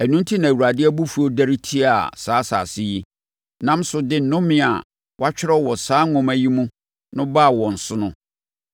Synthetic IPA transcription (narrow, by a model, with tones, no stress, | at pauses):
æ˨nũ˦n˦tʰi˦nã˨wa˨dɪ˦ɛ˦bu˦fu˨˦o˦dæ˦ɾi˦tʰi˦a̰˨saː˨˦sa̰ː˨sɪ˦ji˦ | nã˦m˦sʊ˨dɪ˦n̩˨nːʊ̃˦mɪ̃˨a̰˨ | wa˦t͡ɕᶣɪ˦ɾɔ˦wɔ˨saː˨˦ŋɔ̃˦˨mæ˨ji˦mũ˦ | nʊ̃˦ba˦˨wɔ̃˨n̩˨sʊ˦nʊ̃˦